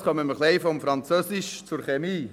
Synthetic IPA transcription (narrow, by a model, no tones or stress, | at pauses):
χœməməχleɪfɔmfɾɑnt͡søsɪʃt͡sʊɾχemiː